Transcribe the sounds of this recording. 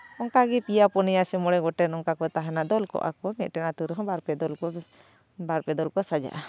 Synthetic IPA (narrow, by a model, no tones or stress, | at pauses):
ɔŋkaɡipijapɔnijasɛmɔɽɛɡɔʈɛnɔŋkakɔt̪aɦɛnaʔd̪ɔlkɔ̰ʔa̰kɔmɛt̪̚ˀʈɛnat̪uɾɦɔ̃baɾpɛd̪ɔlkɔ | baɾpɛd̪ɔlkɔsad͡ʒa̰ʔa